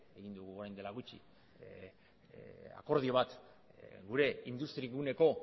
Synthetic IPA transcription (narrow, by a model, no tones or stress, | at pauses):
e̞ɣind̪uɣuoɾajnd̪e̞laɣut͡ʃḭ | a̰ko̞ɾðio̞βat̪ | ɡuɾe̞ind̪ust̪ɾieɣune̞ko̞